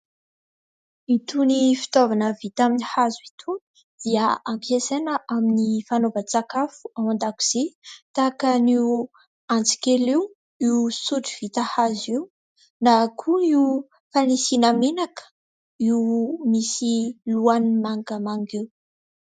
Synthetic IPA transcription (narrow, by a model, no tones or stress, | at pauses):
it̪unifi̥t̪ovanəvit̪aminihazuit̪ʰuni̥ | d̪̥iəampʰesenəʔaminifanovat͡sakafu̥awand̪aku̥z̥et̪akəniu | ant͡si̥keliw | iusuʈ͡ʂiv̥it̪əhaziu | nakʰuiu | fanisinəmenakə̥ | iumisiluanmaŋɡamaŋɡiw